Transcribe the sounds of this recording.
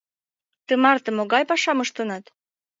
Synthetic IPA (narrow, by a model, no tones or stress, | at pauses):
t̪əmɑrt̪ə̆moɣɑjpɑʃɑməʃt̪ənɑt̪